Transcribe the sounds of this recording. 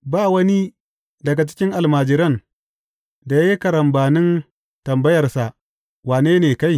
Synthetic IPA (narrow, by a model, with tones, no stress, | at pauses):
baː˦˨wɐ˦ni˦ | dɐ˨ɡa˨t͡ʃɪ̥˦kʲɪ˦ŋʔa˨lmaː˨d͡ʒɪ˨ɾɐ˦n | da˨ja˦ji˦kɐ˨ɾɐ˨mbaː˨nɪ˦n | tɐ˨mbɐ˦jɐ˨rsa˨ | waː˨neː˦neː˨ka˦j